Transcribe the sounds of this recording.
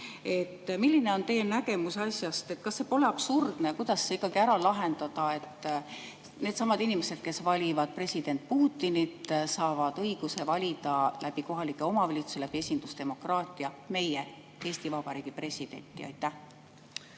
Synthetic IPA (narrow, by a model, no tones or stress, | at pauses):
e̞t̪ːmilːine̞o̞nt̪e̞jenæɡe̞musɑsjɑst̪e̞t̪ːkɑsːe̞po̞le̞ɑb̥surd̪̥nekujd̪̥ɑsːeikːˑɑɡ̥iæɾɑlɑɦe̞nd̪̥ɑd̪̥ɑe̞t̪ːˑ | ne̞ːd̪sɑmɑd̪inimese̞d̪̥̚ke̞svɑlʲivɑd̪̥̚pre̞sʲid̪̥e̞nt̪̚ˑpuːt̪ːˑinit̪ːsɑːvɑd̪̥ɤ̞jɡ̥use̞vɑlʲid̪̥ɑlʔæb̥iko̞ɦɑlikːˑe̞o̞mɑvɑlʲit̪su̥selæb̥ie̞sʲind̪̥ust̪e̞mo̞krɑːt̪ːˑiɑme̞je | e̞ːst̪ivɑb̥ɑɾiːɡ̥ipre̞sʲid̪̥e̞̰nt̪ːˑiɑ̰jt̪ːˑæh